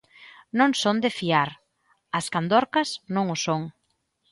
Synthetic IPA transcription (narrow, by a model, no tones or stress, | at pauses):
nõŋsõnd̪ɪfiaɾ | ɐskand̪ɔɾkɐsnõŋʊsoŋ